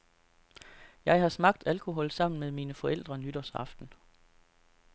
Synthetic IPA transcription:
jɑ̈ɪhɑ̈smɑ̈ɡ̥̚d̥ælkʰo̝ɦɒ̽lsɑ̈m̰n̩meðˠmiːnəfɒ̽el̰d̥ʁɐnyd̥ɐsɑ̈fd̥n̩

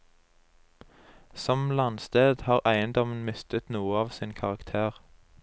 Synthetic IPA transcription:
sɔmlɑnst̪eːd̪hɑːʁʔæɪənd̪ɔmən̩mɪst̪ət̪nuːəɑːʋsiːnkʰɑʁɑkt̪ʰeːʁ

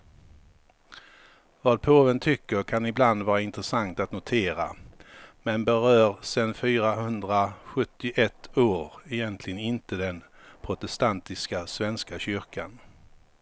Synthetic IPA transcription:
vaːd̪̚pʰɾoːvənt̪ʰʏkːəɾkʰanɪbland̪vɑːɾaɪnt̪ɾəsaŋt̪at̪nʊt̪ʰeːɾa̰ | mɛnbɛɾœːɾsɛnfyːɾaɦɵnd̪ɾaɧɵt̪ːɪʔɛt̪ʰːoːɾɛjɛnt̪ʰlɪɡənɪnt̪əd̪ɛn | pʰɾʊt̪ɛst̪ant̪ɪskasvɛnskaɕʏɾka̰n

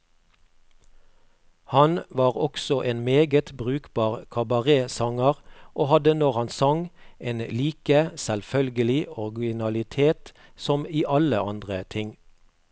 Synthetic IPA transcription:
hɑnʋɑːʁɔksɔʔeːnmeːɡət̪bʁʉːkbɑːʁkʰɑbɑʁeːsɑŋəʁʔoːhɑd̪ənɔʁhɑnsɑŋʔeːnliːkəsɛlfœlɡəlɪɔʁɡɪnɑlɪt̪ʰeːt̪ | sɔmiːʔɑləʔɑ̰nd̪ʁət̪ʰɪŋ

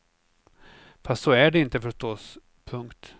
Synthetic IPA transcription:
fast̪sɔæɖɛɪnt̪əfœʂʈɔs | pʰɵŋkt̪

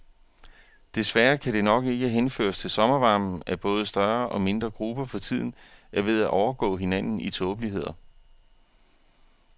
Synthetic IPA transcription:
d̥e̝sʋæɐkʰæɾ̥e̝nɒ̽ɡ̥e̝ɡ̥əɦenfø̰ːɐst͡sʰe̝lsɒ̽mɐʋɑ̈ːmn̩æb̥ɔ̽ːð̞ˠəsd̥ɶɐʔɒ̽me̝nd̥ʁɐɡ̥ʁub̥ɐfɒ̽t͡sʰið̞̰ˠn̩ʔæɐʋe̝ðˠæʔɒʊɐɡ̥ɔ̰̽ːɦe̝næn̰n̩it͡sʰɔːb̥əliɦe̝ð̰ˠɐ

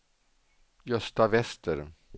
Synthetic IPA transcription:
jœst̪avɛst̪əɾ

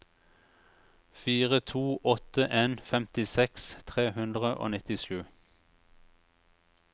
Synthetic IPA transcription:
fiːʁət̪ʰuːʔɔt̪əʔeːnfɛmt̪ɪsɛkst̪ʰʁeːhʉnd̪ʁəʔo̰ːnɪt̪ɪʃʉː

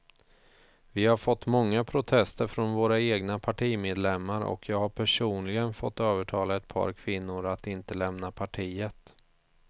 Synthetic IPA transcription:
vɪhaɾfɔt̪ːmɔŋːapʰɾʊt̪ʰɛst̪əɾfɾɔnvoːɾaeːɡnapʰaʈʰiːmeːd̪lɛmːaɾɔ̰kʰjɑːɡhaɾpʰæʂuːnlɪɡənfɔt̪ːøːvəʈʰɑːlaɛt̪̚pʰɑ̰ːɾkʰvɪnːʊɾat̪ɪnt̪əlɛmnapʰaʈʰiːət̪

